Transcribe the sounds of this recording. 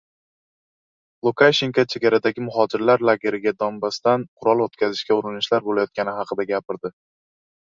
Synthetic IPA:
lˠukʰaʃe̞ŋkat͡ʃʰe̞ɡʲaɾad̪aɡʲɪmʊɦɒd͡ʒɪɾlaɾlˠaɡʲe̞ɾɪɡʲad̪ɒmbast̪anqʰʊɾɒlˠot̪kʲʰazɪʃkʲaʊɾɪnɪʃlaɾbolajɒt̪̚kʲanɪɦɑqʰɨd̪aɡʲapɪɾd̪ɪ

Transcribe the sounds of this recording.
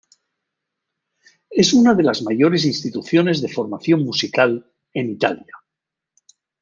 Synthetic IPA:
e̞sunaðe̞lazmaʝo̞ɾe̞s̬inst̪it̪uθjo̞ne̞zðe̞fo̞ɾmaθjo̞ŋmusikal | e̞nit̪alja

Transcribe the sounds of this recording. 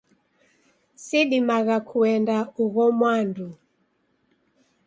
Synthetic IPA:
siɗimaɣakʰuɛndauɣɔmwandu

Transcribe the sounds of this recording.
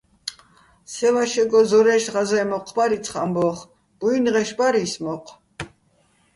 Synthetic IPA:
sɛvaʃɛɡɔzɔɾɛʃʁazɛmɔqʰbaɾit̪t͡sʰχambɔχ | b̥uinʁɛʃbaɾismɔqʰʼ

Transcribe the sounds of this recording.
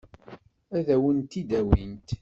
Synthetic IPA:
æðæwənt̪id̪æwint̪

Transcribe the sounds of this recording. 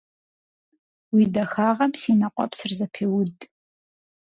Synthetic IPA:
widɐxaːʁɐmsinɐqʷʼɔ̰psɨrzɐpʰeːwʊdʼ

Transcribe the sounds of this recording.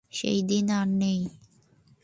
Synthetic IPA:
ʃḛjd̪inaɾnej

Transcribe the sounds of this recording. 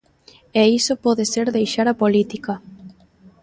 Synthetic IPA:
eisopɔðeseɾðejʃaɾapolit̪ika

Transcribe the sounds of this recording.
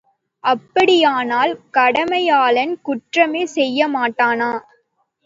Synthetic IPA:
ʔɐpːɐɽɪjaːnaːlkɐɽɐmɐjaːlɐnkʊʈrɐmeːsɛjːɐmaːʈːaːnaː

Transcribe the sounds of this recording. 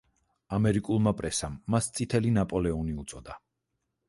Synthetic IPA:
amɛɾikʼulˠmapʼɾɛsamːast̪sʼit̪ʰɛlinapʼɔlɛɔniut̪sʼɔd̪a

